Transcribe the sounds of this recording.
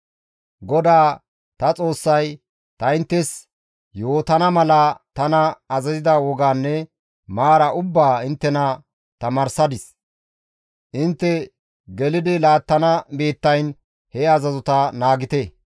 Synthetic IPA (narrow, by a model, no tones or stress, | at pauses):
ɡɔd̪aː | t̪ɐt͡sʼo̞ːsːɐj | t̪ɐɪnt̪ːɛs | jo̞ːt̪ɐnɐmɐlɐt̪ɐnɐɐzɐzɪd̪ɐwɔɡaːnːɛ | maːɾɐʔʊbːaːɪnt̪ːɛnɐ | t̪ɐmɐɾsɐd̪ɪs | ʔɪnt̪ːɛ | ɡɛlɪd̪ɪlaːt̪ːɐnɐbe̞ːt̪ːɐjn | hɛɐzɐzʊt̪ɐnaːɡɪt̪ɛ